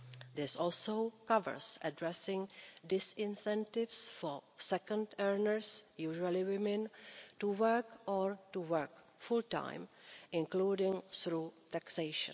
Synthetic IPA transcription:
d̪ɪsɔlsokavə̰˞sʔɛdɹɛsɪ̃ŋdɪsɪ̃nsɛ̃ntɪfsfosɛkə̃ndɛɹnəɹsjuːʒualɪwɪmɪ̃ntuwɜɹkʔɔɹtuwəɹk | fʊltã̰ɪmɪ̃nkluːdɪ̃ŋθɾuːt̪aksejʃə̰̃n

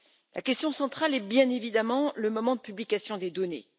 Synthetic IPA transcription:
lʔa̰kʲɛst̪jɔ̃sɑ̃t̪χalɛbjɛ̃nevid̪amɑ̃ləmɔmɑ̃d̪əpyblikasjɔ̃d̪ed̪ɔnḛ

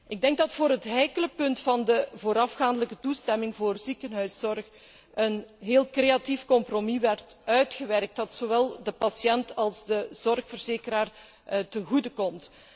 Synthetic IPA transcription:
ʔɪɡ̚dɛŋɡ̚dɑtfoːɾɦətɦɛjkələpɵntfɑndəvoːɾɑfxaːndələkətustɛmɪŋvoːrzikənɦœɥsɔrx | ʔənɦeːlˠkreatifkɔmpromiʋɛrtœɥtxəʋɛrk̚t̚dɑtsoʋɛlˠdəpɑsjɛntɑlˠzdəz̥ɔrxfərzeːkəɾaːr | təɣudəkɔmt

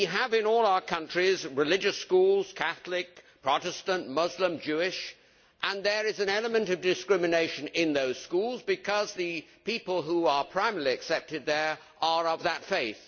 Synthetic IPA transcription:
iəvɨ̃nɔlˠaʊə˞kʰʌ̃nt͡ʃɹ̥izɹɨlɪd͡ʒɨskulˠz̥kʰæθl̩ɪk̚pʰɹ̥ɑɾɨstə̃nmʌzlə̃md͡ʒʉɪʃ | ʔə̃nðə˞ɪzɨ̃nɛlˠəmɨ̃ntʌvdɨskɹɪmɨneɪʃɨ̃nɪ̃nðoʊz̥skulˠzbɨkʰʌzðɨpipəl̩ˠɦuə˞pʰɹ̥ãɪ̃məliɨksɛp̚tɨd̪̚ðə˞ | ʔə˞ʌvðətfeɪθ

